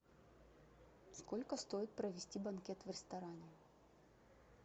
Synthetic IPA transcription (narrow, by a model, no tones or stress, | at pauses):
sko̞lʲkəst̪o̞jɪt̪̚pɾəvʲɪsʲtʲibɐnkʲet̪vɾʲɪst̪ɐɾanʲɪ